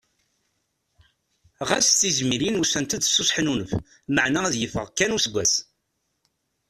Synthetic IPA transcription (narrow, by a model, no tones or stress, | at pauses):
ʁæsθizmiɾinusænt̪əd̪sːʊsˤħnunəf | məʕnææðjəfəʁkːænusəɡʷːæs